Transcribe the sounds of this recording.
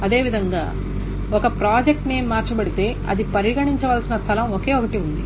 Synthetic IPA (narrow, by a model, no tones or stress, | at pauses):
ɐd̪e̞ːʋid̪ʱɐŋɡa̰ː | okɐpɾaːd͡ʒek̚ʈneːmːaːɾt͡ʃɐbɐɽit̪e̞ːɐ̰d̪ipɐɾiɡɐɳiɲt͡ʃɐʋɐlsinɐst̪ʰɐlɐmoke̞ːokɐʈiund̪i